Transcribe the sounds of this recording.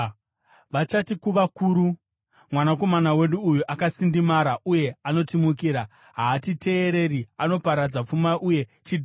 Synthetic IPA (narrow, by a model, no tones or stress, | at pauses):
ʋat͡ʃatikuʋakuːɾu | mwanako̞manawe̞ɗuːjuʔakasindimaɾaʔuje̞ano̞timuk̬iːɾa | ɦaːtite̞ːɾe̞riano̞paɾad͡zap͡fumaʔuje̞ | t͡ʃid